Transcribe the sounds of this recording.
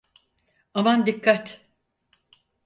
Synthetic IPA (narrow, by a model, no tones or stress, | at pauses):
amand̪ikʰːat̪